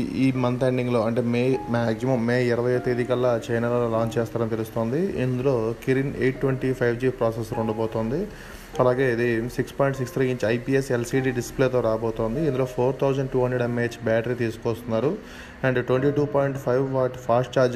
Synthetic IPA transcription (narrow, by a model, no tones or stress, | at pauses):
iːmɐnt̪eɳɖiŋɡlo̞ːɐɳʈe̞ːmeːmaːksimɐmːeːiɾɐʋɐjɐjt̪ed̪ikɐlːɐt͡ʃɐjnɐlɐlolaːɲt͡ʃɛːst̪aːɾɐnit̪elust̪o̞ːnd̪iind̪ulo̞ːkiɾineːʈːʋeɳʈipʰɐjʋd͡ʒipɾaːsesluɳɖɐboːt̪oːnd̪i | ɐlaːɡe̞ːid̪isikspoːjɳʈsikst̪ɾiːiɲt͡ʃiɐjpiːeselsiːɖiːɖispleːt̪o̞ːɾaːboːt̪oːnd̪iind̪uloːpʰoːɾt̪ʰɐwzɐɳɖʈuːɦɐɳɖɾeɖɐmeːt͡ʃbaːʈɐɾit̪iːsu̥kɔːst̪unːaːɾu | ɐɳɖʈwʋeɳʈiːʈuːpaːjɳʈpʰɐjʋʋaːʈpʰaːsʈt͡ʃaːɾd͡ʒ